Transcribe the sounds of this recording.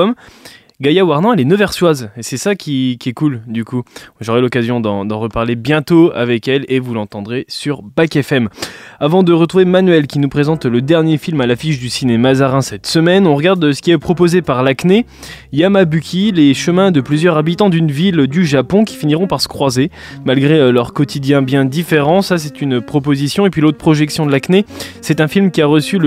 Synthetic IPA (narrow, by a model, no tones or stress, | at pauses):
m | ɡajawaʁnɑ̃ɛlɛnəvɛʁswazesɛsakʲikʲiɛkuld̪ykuʒoʁɛlɔkazjɔ̃d̪ɑ̃d̪ɑ̃ʁəpaʁlebjɛ̃t̪oa̰vɛkɛlevulɑ̃t̪ɑ̃d̪ʁesyʁbakɛfɛmavɑ̃d̪əʁət̪χuvemanɥɛlkʲinupχezɑ̃t̪ləd̪ɛʁnjefilmalafiʃd̪ysinemazaʁɛ̃sɛt̪səmɛnɔ̃ʁəɡaʁd̪sə̥kʲiɛpχɔpozepaʁlakne | jamabykʰʲileʃəmɛ̃d̪əplyzjœʁabit̪ɑ̃d̪ynvild̪yʒapɔ̃kʲi̥finiʁɔ̃paʁsə̥kχwaze | malɡʁelœʁkɔt̪ʰid̪jɛ̃bjɛ̃d̪ifeʁɑ̃sas̬ɛt̪ynpχɔpozisjɔ̃epɥilot̪χəpχɔʒɛksjɔ̃d̪əlaknesɛt̪ɛ̃filmkʲiaʁəsylə